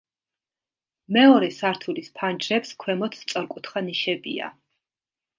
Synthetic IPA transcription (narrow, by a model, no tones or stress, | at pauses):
mɛɔɾɛsaɾt̪ʰulispʰand͡ʒɾɛpskʰwɛmɔt̪ʰt̪sʼɔɾkʼut̪χaniʃɛbḭa̰